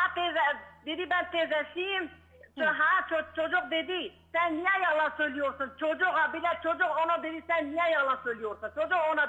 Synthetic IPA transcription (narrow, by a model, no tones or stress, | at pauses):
hat̪ezɛd̪ed̪ibɛnt̪ʰezɛsijim | t͡ʃɦat͡ʃʰot͡ʃʰod͡ʒuq̚d̪ed̪isænːijɛjɑlˠɑsøjlijoɾsunt͡ʃʰod͡ʒuʁɑbilɛt͡ʃʰod͡ʒuqonɑd̪ed̪isɛnːijɛjɑlˠɑsøjlijoɾsɯnt͡ʃʰod͡ʒuqonɑ